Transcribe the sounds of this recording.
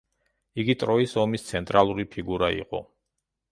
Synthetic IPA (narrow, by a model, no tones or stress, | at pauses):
iɡit̪ʼɾɔisɔmist̪sʰɛnt̪ʼɾalˠuɾipʰiɡuɾaḭqʼɔ̰